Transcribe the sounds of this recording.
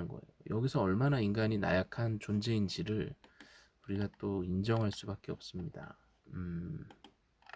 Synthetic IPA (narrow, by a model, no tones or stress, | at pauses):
nɡʌ̰e̞̰jojʌɡisʰʌʌɭmanainɡaɲina̰jakʰant͡ɕond͡ʑe̞ind͡ʑiɾɯɭ | uɾiɡat͈oind͡ʑʌŋɦaɭs͈ubak͈e̞ʌp̚s͈ɯmɲida̰ | ɯ